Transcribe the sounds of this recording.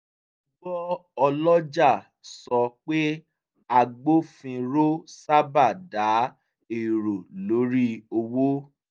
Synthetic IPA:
ɡ͡bɔ˦ɔ˧lɔ˦d͡ʒa˦˨ | sɔ˧k͡pe˦ | a˧ɡ͡bo˦fĩ˧ɾo˦sa˦ba˦˨da˨˦ | e˨ɾo˨lo˨˦ɾi˦o˧wo˦

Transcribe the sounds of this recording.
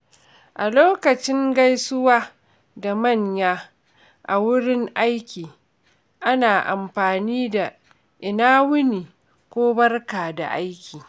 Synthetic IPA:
ʔa˨loː˦kɐ˨t͡ʃɪ˦ŋɡa˦jsʊ˦waː˦ | da˨mɐ˦˨ɲjaː˦ | ʔa˨wʊ˦ɽɪ˦ŋʔa˦jkʲiː˨ | ʔa˦naː˨ʔa̰˨mɸaː˨niː˦da˨ | ʔɪ˨naː˦wʊ˦niː˨ | kʷoː˦bɐ˦rkaː˨da̰˨ʔa˦jkʲʰiː˨

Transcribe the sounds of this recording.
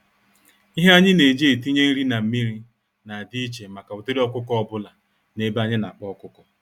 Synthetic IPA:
i˦ɦe˦a˦ɲɪ˦ne˨d͡ʒe˦e˨ti˦ɲe˦n̩˦ɾi˦na˨m̩˦mi˦ɾi˦ | na˨a˨di˦i˦t͡ʃe˨ma˨ka˨ʊ˨te˦ɾi˦ɔ˦kʊ˦kɔ˦bʊ˦la˨ | ne˦ba˨ɲɪ˦na˨a˨k͡pɔ˦kʊ˦kʊ˨

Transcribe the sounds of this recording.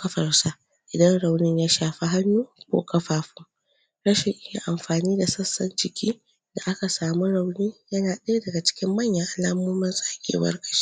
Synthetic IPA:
kɐ˦ɸɐ˨rsa˦ʔ | ʔɪ˨dɐ˦nɽa˨wnɪ˦ɲjaː˦ʃaː˨ɸi˦ɦa˦nːuː˦kʷo̰ː˦kʰɐ˦ɸaː˨ɸu˦ | ɽɐ˦ʃɪ˨ŋʔɪ˦ja˨ʔa˨mɸaː˨niː˦da˨sɐ˦sːɐ˦nd͡ʒɪ˨kʲiː˦ | da˨ʔa˦ka˨saː˨mu˦ɽa˨wniː˦jɐ˦naː˨ɗɐ˦dɐ˨ɡa˨t͡ʃɪ̥˦kʲɪ˦mːɐ˦˨ɲjɐ˨ŋʔa˨laː˦moː˦mɪ˦nsʼa˦kʲḛː˨wɐ̰˦rkɐ̥˨˦ʃi̥˦ʔ

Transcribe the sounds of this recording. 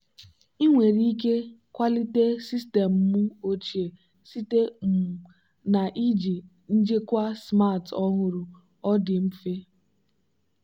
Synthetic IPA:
i˦ŋʷe˨ɾi˦i˦k̬e˦kʷa˦li˦te˦si˦ste˨m̩˦mʊ˦o˦t͡ʃi˨e˨ | si˦te˦m˨ | na˨ʔi˦d͡ʒi˨ | n̩˦d͡ʒe˦kʷa˦sma˦˨tɔ˦ɦʊ˦ɾʊ˨ | ɔ˦dɪ˨m̩˦fe˦

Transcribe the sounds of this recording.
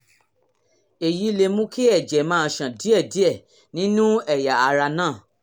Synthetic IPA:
e˨ji˨˦le˧mũ˦ki˦ɛ˦˨d͡ʒɛ˨˦mãː˦˧ʃã˨di˨˦ɛ˦˨di˨˦ɛ˦˨ | nĩ˦nũ˦ɛ˦˨ja˨a˧ɾa˧nãː˦˨

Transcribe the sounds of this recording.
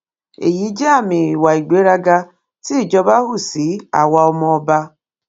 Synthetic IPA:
ḛ˨ji˦d͡ʒa˦a˦˨mɪ˨ɾi˨wa˨i˨ɡ͡be˦ɾa˦ɡa˦ | ti˦˨d͡ʒɔ˦ba˦ɦʊ˦˨si˨˦a̰˨wa˦ɔ˦mɔ˦ba˦

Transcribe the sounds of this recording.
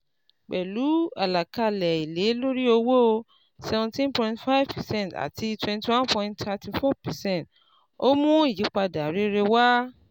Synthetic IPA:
k͡pɛ˨lu˨˦a˨la˨ka˧lɛ˨i˨le˨˦lo˦ɾi˦o˧wo˦˧ | sɛ˨vɔ̃˧tĩ˦npɔ̃˧ĩntfa˦jvpɛ˨sɛ̃˦nta̰˨ti˧twɛ̃˧nti˨wã˦npɔ̃˧ĩ˧nttʰa˧ti˧fɔ˦pɛ˨sɛ̃˦˨nt | o˦mũ˦i˦˨ji˨˦k͡pa˧da˨ɾe˨˦ɾe˧wa˦

